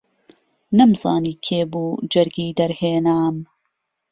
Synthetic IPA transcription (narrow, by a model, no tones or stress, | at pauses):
nɐmzɑ̰ːniːkʰeːbuːd͡ʒɐɾɡiːd̪ɐɾheːnaːm